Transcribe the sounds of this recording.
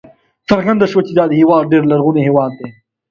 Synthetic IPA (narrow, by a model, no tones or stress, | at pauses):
sɐɾɡɐ̃nd̪ɐʃot͡ɕid̪aːd̪ɦiwaːɖeːɾlɐɾɣuneɦeːwaːd̪̚t̪eː